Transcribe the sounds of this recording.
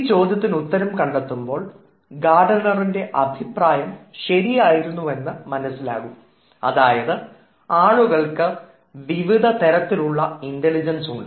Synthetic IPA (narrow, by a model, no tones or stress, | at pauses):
t͡ɕo̞ːd̪ʱjɐt̪̬ːinut̪ːɐɾɐmkɐɳɖɐt̪ːumbo̞ːɭ | ɡaːɖɐnːɐrinde̞ʔɐbʱipraːjɐmɕɐɾijaːjiɾunːue̞nːɨmɐnɐsːila̰ːɣum | ɐ̰ðaːjɐðɨ | aːɭuɣɐɭkɨ | ʋiʋid̪ʱɐt̪ɐɾɐt̪ːiluɭːɐinteɭid͡ʑɐnsuɳɖɨ